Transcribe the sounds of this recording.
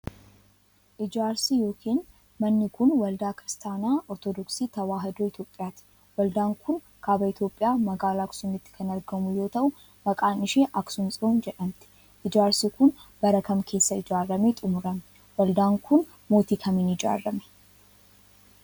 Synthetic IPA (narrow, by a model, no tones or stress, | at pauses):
ʔɪd͡ʒaːɾsijo̞ːkʰiːn | mɐnːɪkʊnwɐld̪aːkɪɾɪst̪aːnaːʔɔɾt̪ɔd̪ɔksiːt̪ɐwaːɦɐd̪oːɪt̪jo̞ːpʼɪjaːt̪ɪ̥ | wɐld̪aːŋkʊn | kʰaːbɐɪt̪jo̞ːpʼːɪjaːmɐɡaːlaːksʊmɪt̪ːɪ̥kʰɐnɐɾɡɐmʊjo̞ːt̪ɐʔʊ | mɐkʼaːnɪʃeːʔɐksʊnsʼɪund͡ʒɛᶑɐmt̪ɪ̥ | ʔɪd͡ʒaːɾsiːkʊnb̥ɐɾɐkɐmkʰe̞ːsːɐɪd͡ʒaːrːɐmet̪ʼʊmʊɾɐmɛ | wɐld̪aːŋkʰʊn | mo̞ːt̪iːkʰɐmiːnɪd͡ʒa̰ːrːɐmɛ̥